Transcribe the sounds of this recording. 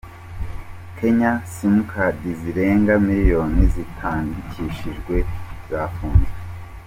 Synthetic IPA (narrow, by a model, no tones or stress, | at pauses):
kʰe̞ɲasimukʰadiziɾe̞ːŋɡamiɾijo̞ːnizitʰaːŋɡicʰiʃiʒɡwe̞z̥aːfuːnze